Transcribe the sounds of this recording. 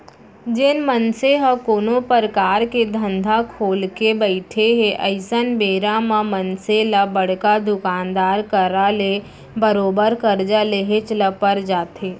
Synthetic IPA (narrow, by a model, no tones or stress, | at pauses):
d͡ʒɪnmənseɦəkoːnopəɾkaːɾked̪ʱə̃nd̪ʱakʰoːlkebəɪʈʰeɦeʔəɪsənbeːɾamãmənselabəɽ̤kad̪ʊkaːnd̪aːɾkəɾale | bəɾoːbəɾkəɾd͡ʒaleɦet͡ʃləpːəɾd͡ʒaːt̪eː